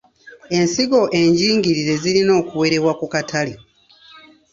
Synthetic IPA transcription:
e̞nsiɡo̞ʔe̞ɲɟiːŋɡiɾiɾe̞zilino̞ːkuwe̞ɾe̞wakukatʰali

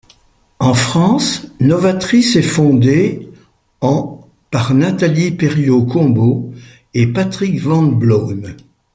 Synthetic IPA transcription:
ɑ̃fχɑ̃snɔvat̪χisɛfɔ̃d̪e | ɑ̃ | paʁnat̪alipɛʁjokɔ̃bo | epat̪χikvɑ̃bloːm

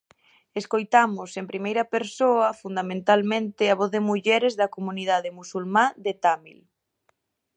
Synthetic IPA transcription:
eskojt̪amʊsempɾimejɾɐpeɾsoɐfund̪amẽnt̪almẽnt̪ɪaβoθððemuʎɛɾezðɐkomuniðaðɪmusulmad̪et̪amḭl

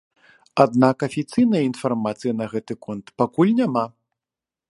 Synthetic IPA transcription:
ad̪nakɐfʲit̪sɨjnɐjɐinfarmat̪sɨjinɐɣɛt̪ɨkɔnt̪pakulʲnʲama

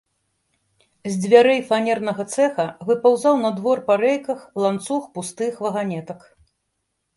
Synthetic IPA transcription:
zʲd͡zʲvʲaɾɛjfanʲɛrnɐɣɐt̪sɛxɐvɨpawzawnɐd̪vɔrpaɾɛjkɐxlˠant̪suxpust̪ɨxvɐɣanʲɛt̪ɐk

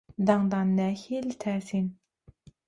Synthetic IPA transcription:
d̪ɑŋd̪ɑnːæhilt̪ʰɛːsin

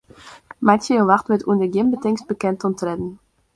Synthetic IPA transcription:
masjəəʋaxtʋətundəɡɪmbətɪŋsb̥əkɛntɔntrɛdn̩

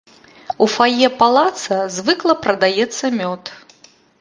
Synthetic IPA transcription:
ufajɛpalˠat̪sɐzvɨklˠɐpɾɐd̪ajɛt̪sːɐmʲɔt̪

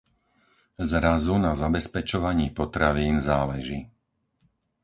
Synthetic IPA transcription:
zɾazunazabɛspɛt͡ʃɔʋaɲiːpɔt̪ɾaʋiːnzaːlɛʒi

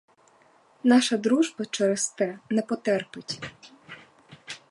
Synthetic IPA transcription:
nɑʃɐd̪ɾuʒbɐt͡ʃɛɾest̪ɛnɛpɔt̪ɛrpɪtʲ

